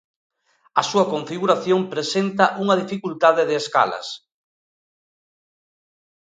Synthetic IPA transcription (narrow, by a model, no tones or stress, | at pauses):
ɐsuɐkoɱfiɣuɾaθjompɾesent̪ɐʔuŋɐðifikult̪aðɪðɪːska̰lɐ̰s